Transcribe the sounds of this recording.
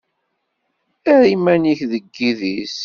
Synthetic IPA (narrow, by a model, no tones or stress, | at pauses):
æɾimæniçðəɡːiðis